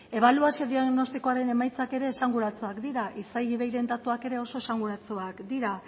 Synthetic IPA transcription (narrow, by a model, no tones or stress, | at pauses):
e̞β̞aluasio̞ðiano̞st̪iko̞aɾe̞ne̞majt͡sake̞ɾe̞ːsaŋɡuɾat͡suakd̪iɾaʔisajɣiβe̞jɾe̞nd̪at̪uake̞ɾe̞o̞so̞esaŋɡuɾat͡suakd̪iɾa